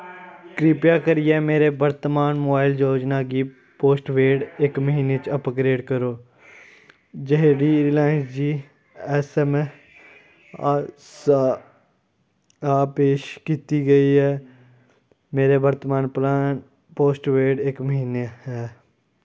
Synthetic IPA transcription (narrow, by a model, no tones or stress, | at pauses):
kɾiːpjaːkəɾiɛːmeːɾebəɾt̪əmaːnmoːbaːɪld͡ʒoːd͡ʒnaːkiː | poːsʈʋeːɖekməɦiːnet͡ʃɐpɡɾeːɖkəɾoː | d͡ʒeɦɖiɾɪlaːɪ̃nsd͡ʒiː | ɛsɛm | sa | aːpeːʃkiːt̪iɡəiɦɛː | meːɾebəɾt̪maːnplaːn | poːsʈʋeːɖekməɦiːneɦɛː